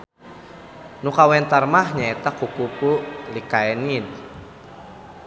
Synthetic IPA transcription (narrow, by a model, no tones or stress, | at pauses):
nukawɛnt̪armahɲaɛt̪akukukulikaɛnin